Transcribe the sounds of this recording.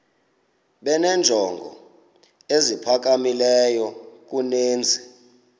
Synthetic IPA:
ɓɛnɛnd͡ʒʱɔŋɡʱɔ̰ | ezipʰak̬amilɛjɔk̬uneːnd͡zʱɛ

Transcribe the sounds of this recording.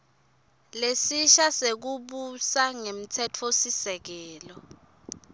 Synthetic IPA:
lesiʃasek̬uɓusaŋem̩tʰɛtʰosisɛk̬ɛːlɔ

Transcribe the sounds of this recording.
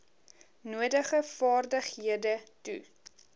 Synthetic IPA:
nuədəχəfɑːrdəχhiədətṵ

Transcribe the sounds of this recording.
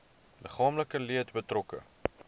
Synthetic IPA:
ləχɑːmləkəliətbətrɔkə̰

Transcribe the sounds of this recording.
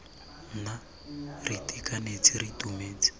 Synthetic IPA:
na | ritʼikʼanet͡siritumeːt͡si̥

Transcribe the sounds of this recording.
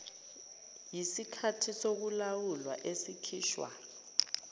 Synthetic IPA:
jisikʰatʰisok̬ulawulwaʔesikʰiːʃwa̰

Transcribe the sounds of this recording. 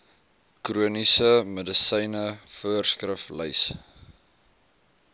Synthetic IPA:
kruənisəmədəsəjnəfuərskrəflə̰js

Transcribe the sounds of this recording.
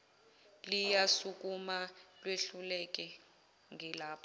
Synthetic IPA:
lijasuk̬umalweɬulɛk̬ʼɛ | ŋʱɛlaːpʰɔ

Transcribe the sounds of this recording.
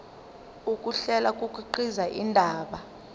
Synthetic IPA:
ukʼuɬɛlak̬ʼukʼuǃizaʔindʱaːɓa

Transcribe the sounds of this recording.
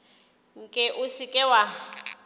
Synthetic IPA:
ŋ̩kʼɪʔʊsikʼɛwa

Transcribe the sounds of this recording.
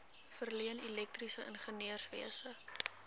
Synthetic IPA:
fərliənilɛk̚trisəʔənχəniərsvḭəsə

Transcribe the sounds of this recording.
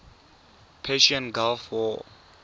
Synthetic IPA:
pʰɛʃiɔ̃nɡalfwɔ

